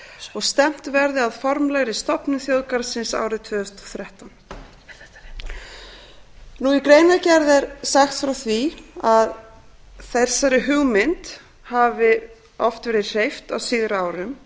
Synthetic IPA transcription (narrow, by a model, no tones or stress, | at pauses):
ɔɣst̪ɛm̥t̪vɛɾðɪaðfɔɾmlɛɣɾɪst̪ɔpnʏθjoːwðkaɾsɪnsa̰ːwɾɪðt̪ʰvœːðʏst̪ɔ̥θɾjɛht̪an | nuikɾejnacɛɾðɛɾsaxt̪fɾawθviað | θɛ̥sːaɾɪɦʏɣmɪnt̪ | havɪ | ɔft̪vɛɾɪ̥r̥ejft̪awsiːðɾʏaːwɾʏm